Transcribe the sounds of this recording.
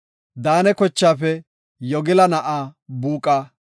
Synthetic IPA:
d̪aːnɛkɔt͡ʃːaːfɛ | jɔɡɪlɐnɐʔaːbuːkʼːaː

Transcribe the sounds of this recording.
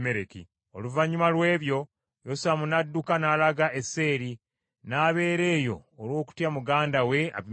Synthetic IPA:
meɾekḭ | oluvaɲumalwe̞ːβjo̞ | josamunadːukanaːlaɡaʔe̞sːe̞ːɾi | naːβe̞ːɾe̞ːjo̞ːlwo̞ːku̥tjamuɡaːndawe̞a̰

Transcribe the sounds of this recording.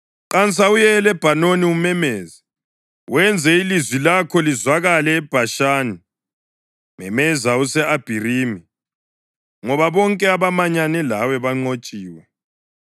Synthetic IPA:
ǃant͡sʰʼaujɛːlɛb̥ʱanoniumɛmɛːza | wɛnd͡zʱɛilizwilakʰɔlizwaɣalɛːb̥ʱaʃaːni | mɛmɛzausɛab̥ʱiriːmi | ŋɔβaβɔŋkʼɛaβamaɲanɛlawɛβaŋ͡ǃot͡ʃʼiːwɛ

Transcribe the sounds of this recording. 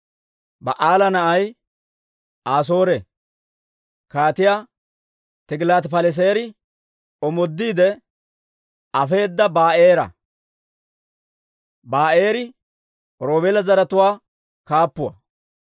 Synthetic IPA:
bɐ̰ʔaːlɐnɐʔɐj | aːs̬o̞ːɾe | kaːt̪ɪjaː | t̪ɪɡɪlaːt̪pɐlɛs̬eːɾɪ | ɔmɔd̪ːiːd̪ɛ | ɐfe̞ːd̪ːɐbaːeːɾɐ̰ | baːʔe̞ːɾɪ | ɾo̞ːbeːlɐzɐɾɐt̪ʊwaː | kaːpːʊwɐ̰

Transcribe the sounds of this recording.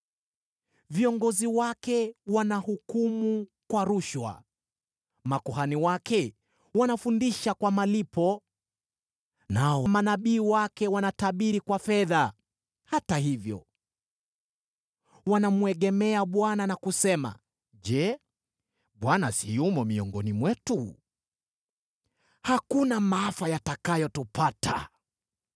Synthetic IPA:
viɔŋɡɔziwakɛwanahukumukwaɾuʃwa̰ | makɔhaniwakɛ | wanafundiʃakwamalipɔ | naɔwamanaɓiːwakɛwanataɓiɾikwafɛða | hataɦivjɔ̰ | wanamuɛɠɛmɛaɓwananakusɛma̰ | ʄɛ | ɓwanasijumɔmiɔŋɡɔnimwɛtu | hakunamaafajatakajɔtupatʰa̰

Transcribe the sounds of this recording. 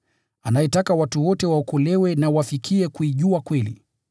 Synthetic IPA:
anaɛtakawatuwɔtɛwaɔkɔlɛwɛnawafikʰiɛkuiʄuakwɛlḭ

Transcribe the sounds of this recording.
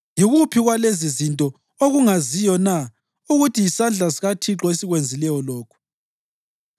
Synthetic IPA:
jiɣupʰiɣwalezizintʼɔ | oɣuŋazijɔna | uɣutijisand͡ɮʱasiɣatʰiǁɔesiɣwend͡zʱilɛjɔlɔːkʰu̥

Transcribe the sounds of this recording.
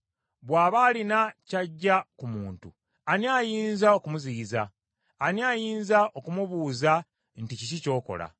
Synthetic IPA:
βwaːβaːlinacaɟːakumuːntṵ | aniaːjiːnzao̞kumuziːzaː | niajiːnzaʔo̞kumuβuːza | nticicico̞ːko̞̰la̰

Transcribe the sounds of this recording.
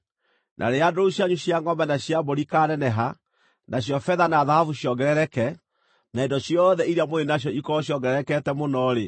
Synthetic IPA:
nʔa̰ɾeadouɕjaɲuɕjaŋɡɔmbanaɕjaboɾikanɛnɛɦa | nʔaɕjɔfɛðanaːðahavuɕjɔɡɛɾɛɾɛkɛ | naedɔɕjɔðɛiɾiamoenaɕ̬jɔikɔjɔŋɡɛɾɛɾɛkɛtɛmonɔɾe

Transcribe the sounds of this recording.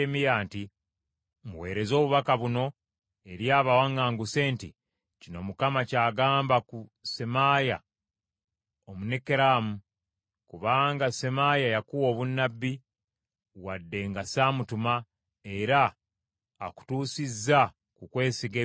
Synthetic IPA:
emijaːnti | muwe̞̰ːɾe̞zo̞ːβuβakaβuno̞ | eɾjaːβawaŋaːŋɡuse̞ːnti | cino̞̰mukamacaːɡaːmbakusemaja | omunekeɾamu | kuβaːŋɡasemajajakuwo̞ːβunːabːi | wadːe̞ŋɡasaːmutuma | e̞ɾaː | ku̥tuːsizːa | kukwe̞ːsiɡe

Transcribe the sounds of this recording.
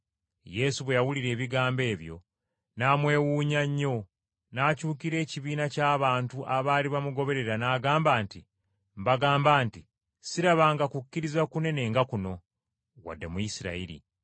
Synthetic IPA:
je̞suβwe̞jawuliɾe̞ːβiɡaːmbe̞ːβjo̞̰ | naːmwe̞ːwuːɲaɲːo̞ | naːcuːkiɾe̞ːciβiːnacaːβaːntuʔaβaːliβamuɡo̞βe̞ɾe̞ɾanaːɡaːmbaːnti | mbaɡaːmbaːnti | siɾaβaːŋɡakucːiɾizakune̞ne̞ːŋɡakuno̞ | wa̰dːe̞mujisiɾa̰iɾḭ

